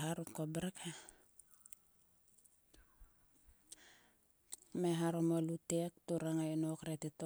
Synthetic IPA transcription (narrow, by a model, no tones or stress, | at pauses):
ɦaɾukobɾekʰa | meɦaɾomolutek̚tuɾaŋaenokɾetito